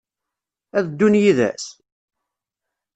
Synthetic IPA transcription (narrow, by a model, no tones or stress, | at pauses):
æðd̪ːunjiðæ̰s